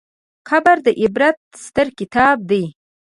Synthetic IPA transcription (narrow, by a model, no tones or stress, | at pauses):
xabaɾd̪əʔɪbɾat̪̚st̪əɾkɪt̪ɑb̚d̪aj